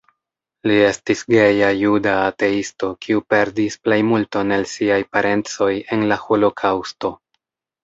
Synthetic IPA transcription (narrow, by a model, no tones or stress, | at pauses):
lie̞stisɡe̞jajudaːte̞isto̞kʰiupe̞ɾdisple̞jmulto̞ne̞lsiajpaɾe̞nt͡so̞je̞nlaho̞lo̞kʰawsto̞